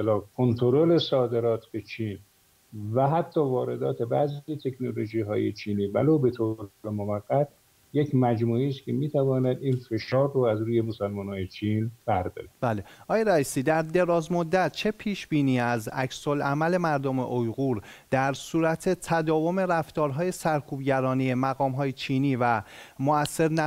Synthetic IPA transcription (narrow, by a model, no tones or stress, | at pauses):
eselɒːkʰont̪ʰoɾole̞sɒːd̪e̞ɾɒːt̪ʰbe̞t͡ʃʰiːn | væɦæt̪ʰːɒːvɒːɾe̞d̪ɒːt̪ʰe̞bæzit̪ʰe̞kʰnolo̞ʒiːɦɒ̰ːjḛt͡ʃʰiːniːvæ̰loːbe̞t̪ʰoːɾlemovæɡːæt̪̚ | jecʰmæd͡ʒmuːiːst̪kʲʰemiːt̪ʰævɒːnæd̪iːnfe̞ʃɒːrːoæzɾuːjemosælmɒːnɒːjet͡ʃʰiːnb̥æɾd̪ɒ̰ːɾe̥b̥æːleʔɒːjeɾæiːsiːd̪æɾd̪e̞ɾɒːzmod̪ːæt̪̚ʰt͡ʃʰe̞pʰiːʃb̥iːniːæzæ̰cso̞lʔæmæle̞mæɾd̪ome̞̰ʔojɣuːɾd̪̥æɾsuːɾæt̪ʰe̞t̪ʰæd̪ɒːvo̞me̞ɾæft̪ɒːɾɦɒːje̞sæɾkʰuːbɟæɾɒːnijemæɣɒːmɦɒːjet͡ʃʰiːniːvæmoæsːe̞ɾn